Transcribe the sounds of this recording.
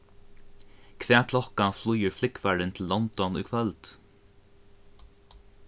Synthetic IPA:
kʰvɛːkʰlɔhkanflujɪɹflɪkfaɾɪnt̪ʰɪlːɔnt̪ɔnʊ̰jkʰvœlt̪

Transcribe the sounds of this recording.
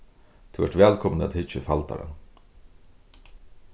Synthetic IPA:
t̪ʰɪʋɛʈʋɛːlkʰɔmnəa̰t̪hɪt͡ʃːəfalt̪a̰ɾa̰n

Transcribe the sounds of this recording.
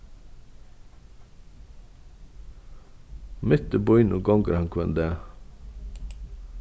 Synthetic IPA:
mɪt̪əbɔʏnʊɡɑŋɡəɾhɑŋkʰʋɛnd̪eː

